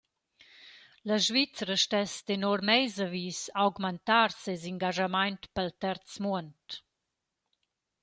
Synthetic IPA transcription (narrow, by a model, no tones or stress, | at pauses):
ləʒvit͡sɾəʃtɛst̪enɔɾmɛjzəviːsawɡmənt̪arseziŋɡaʒamajnt̪pəlt̪ɛɾt͡smuənt